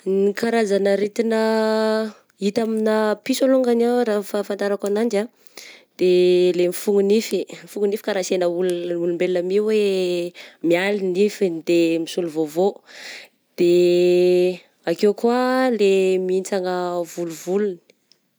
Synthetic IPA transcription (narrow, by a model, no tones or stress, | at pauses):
nikaɾazanəɾit̪inə | it̪aminəpisoluŋɡanawɾafafant̪aɾakanand͡ʒa | d̪̥elemifuŋunifimifuŋunifi̥kaɾasenəululumbelinəmiwe | mialinifid̪emisuluvovo | d̪̥e | akewkualemiint͡saŋəvuluvuluni̥